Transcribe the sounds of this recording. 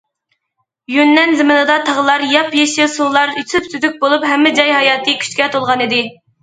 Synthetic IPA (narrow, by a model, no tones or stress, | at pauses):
junːɛnzɪmɨnɨd̪ɑt̪ʰɑʁəlˠɑɾjɑpjeʃɪsulˠlːɑɾysypsyzyk̚ʲbolˠupɦɛmːɪd͡ʒɑjɦɑjɑːt̪ɨkʲʰy̥t͡ʃkʲɛt̪ʰolˠʁɑnid̪ɪ